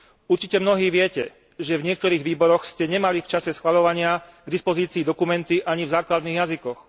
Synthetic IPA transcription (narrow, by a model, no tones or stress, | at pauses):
uɾt͡ʃicɛmnɔɦiːʋɪɛcɛ | ʒɛvɲɪɛk̚t̪ɔɾiːɣʋiːbɔɾɔxscɛɲɛmalift͡ʃasɛsxʋaʎɔʋaɲɪaɡd̪ispɔziːt͡siːd̪ɔkumɛnt̪iʔaɲivzaːklad̪niːɣjazikɔx